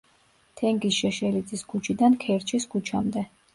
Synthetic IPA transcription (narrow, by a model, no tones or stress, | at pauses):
t̪ʰɛŋɡisʃɛʃɛlid̪zʼiskʰut͡ʃʰid̪ankʰɛɾt͡ʃʰisɡut͡ʃʰamd̪ɛ